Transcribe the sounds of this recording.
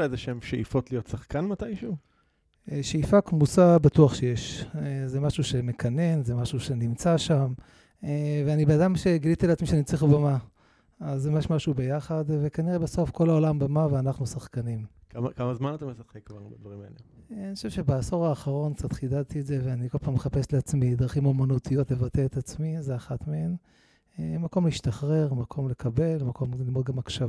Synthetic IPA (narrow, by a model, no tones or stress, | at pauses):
ezeʃeemʃeʔifo̞tlijo̞tsaχkanmatajʃu | eʃeifakmusabatuaχʃe̞jeʃezemaʃuʃe̞me̞kʰane̞nzemaʃuʃe̞nimt͡saʃam | eveanibenadamʃe̞ɡilit̪ileat͡smiʃenimt͡siχubama | azːemjeʃmaʃube̞jaχad̪ve̞kaniʁebeso̞fko̞laolambemaveanaχnusaχkanim | kamakamazmanat̪amesaχekːvaʁbed̪vaʁimaḛlenioʃevʃebaaso̞ʁaːχaʁo̞nkt͡sat̪χid̪adt̪ietzeveaniko̞lpaːmeχape̞sleat͡smid̪ʁaχimomanut̪ʰijo̞tle̞vat̪eet̪at͡smizeaχat̪meen | emako̞mlehiʃt̪aχʁe̞ʁmakʰo̞mle̞kʰabe̞lmako̞mlilmo̞d̪̚ɡamakʃav